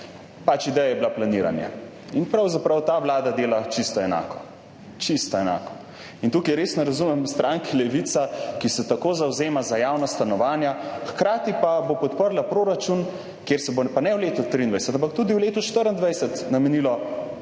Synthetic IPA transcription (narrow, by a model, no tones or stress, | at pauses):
pat͡ʃid̪ɛjajɛblaplaniːɾa̰nja̰ | inpɾawzapɾawt̪aʋlaːd̪ad̪eːlat͡ʃist̪ɔɛna̰ːkɔ | t͡ʃist̪ɔɛna̰ːkɔ̥ | int̪ukajɾeːsnɔɾazumɛmst̪ɾaŋkilɛʋit̪sakisɛt̪akoːzawzeːmazajawnast̪anɔʋaːnjaxkɾaːt̪ipabopɔt̪pəɾlapɾoːɾat͡ʃun | kjeɾsɛbopanɛwleːt̪ut̪ɾiːnd̪ʋajsɛt̪ãmpakt̪ud̪iwleːt̪uʃt̪əɾənd̪ʋajsɛt̪namɛnilɔ